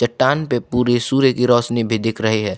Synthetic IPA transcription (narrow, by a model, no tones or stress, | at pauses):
t͡ʃɐʈːaːnpepuːɾesuːɾekiɾɔːsnibʱid̪ɪkʰɾɐɦiɦɛː